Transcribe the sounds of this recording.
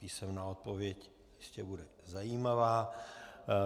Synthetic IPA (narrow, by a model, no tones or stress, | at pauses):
piːsɛmnaot̪̚po̞vjɛc | jɛʃcɛbudɛ | zajiːmavaː